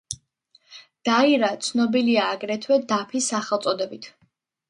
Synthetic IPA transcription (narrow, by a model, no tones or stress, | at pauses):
d̪̥aiɾat̪sʰnɔbiliaːɡɾɛt̪ʰwɛd̪apʰisaχɛlˠt̪sʼɔd̪ɛbit̪ʰ